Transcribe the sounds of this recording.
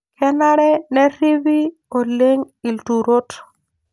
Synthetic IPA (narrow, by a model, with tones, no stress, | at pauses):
kɛ˦na˦ɾɛ˦nɛ˦ɾi˦vi˦ | o˨le˦ŋ | i˨ltu˨ɾo˦t